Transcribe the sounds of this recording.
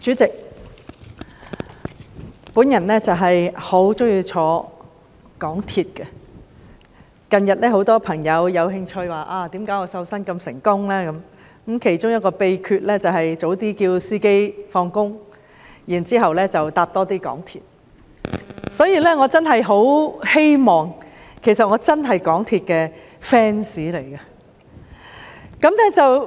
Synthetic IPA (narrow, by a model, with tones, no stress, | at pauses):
t͡ʃyː˨˥t͡sɪ˨k̚ | pu˨˥njɐ˨˩nlɛː˥t͡sɐ˨wɦɐ˨jho˨˥wt͡sʊ˥ŋjiː˧wt͡ʃʰɔː˨˧ | kɔː˨˥ŋt̪ʰiː˨t̚kɛ˧ | kɐ˨njɐ˨t̚lɛː˥ho˨˥wt̪ɔː˥pʰɐ˨˩ŋjɐ˨˧wjɐ˨˧wɦɪ˧ŋt͡ʃʰɵ˧ɥwaː˨˩ʔaː˧t̪iː˨˥mkaː˨˥jŋɔː˧sɐ˨˥wsɐ˥nkɐ˧msɪ˨˩ŋkʊ˥ŋlɛː˥kɐ˨˦m˨˦˥ | mkʰe˨˩jt͡sʊ˥ŋjɐ˥t̚kɔː˧pe˧jkʰyː˧t̚lɛː˥t͡sɐ˨wɦɐ˨jt͡so˨˥wt̪iː˥kiː˧wsiː˥ke˥jfɔː˧ŋkʊ˥ŋ | jiː˨˩nt͡siː˥ɦɐ˨wlɛː˥t͡sɐ˨wt̪aː˧p̚t̪ɔː˥t̪iː˥kɔ̰ː˨˥ŋt̪ʰḭː˨t̚ | sɔː˨˥jiː˨˧lɛː˥ŋɔː˨˧t͡sɐ˥nɦɐ˨jɦo˨˥whe˥jmɔː˨˩ŋkʰe˨˩sɐ˨t̚ŋɔː˨˧t͡sɐ˥nɦɐ˨jkɔː˨˥ŋt̪ʰiː˨t̚kɛː˧ | fɛː˥nsiː˨˥le˨˩jkɐ˧ | kɐ˨˥mnɛ˥t͡sɐ˨w